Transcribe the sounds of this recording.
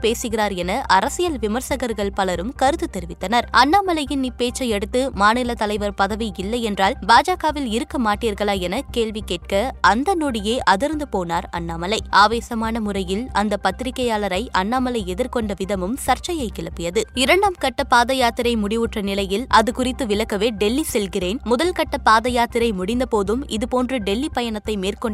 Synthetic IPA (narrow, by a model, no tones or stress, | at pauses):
peːsɯɣɪraːɾɛnɐʔɐɾɐsɪjɐlʋɪmɐɾsɐɣɐɾɣɐɭpɐlɐɾɯmkɐɾɯt̪ːɯt̪ːɛɾɪʋɪt̪ːɐnɐɾɐnːaːmɐlɐjɪnnɪpːeːt͡ʃːɐɪɛɽɯt̪ːɯmaːnɪlɐt̪ɐlɐɪʋɐɾpɐðɐʋiɪlːɐɪɛndraːlbaːd͡ʒaːɣaːʋɪlɪɾɯkːɐmaːʈːiːɾɣɐɭaːɛnɐkeːɭʋikːeːʈ̚kɐɐnd̪ɐnoɽɪjeːʔɐðɪɾɯnd̪ɯpoːnaːɾɐ̰nːaːmɐlɐɪaːʋeːsɐmaːnɐmʊrɐjɪlɐnd̪ɐpɐt̪ːɪɾɪkːɐjaːlɐɾɐɪʔɐnːaːmɐlɐɪɛðɪɾkɔɳɖɐʋɪðɐmɯmsɐɾt͡ʃɐjɐɪkːɪɭɐpːɪjɐðɯɪɾɐɳɖaːmkɐʈːɐpaːðɐjaːt̪ɪɾɐɪmʊɽɪʋɯʈrɐnɪlɐjɪlɐðɯkʊrɪt̪ːɯʋɪlɐkːɐʋeːɖɛlːisɛlɣɪreːnmʊðɐlkɐʈːɐpaːðɐjaːt̪ɪɾɐɪmʊɽɪnd̪ɐpoːðɯmɪðɯpoːndrɯɖɛlːipɐjɐnɐt̪ːɐɪmeːrkɔɳ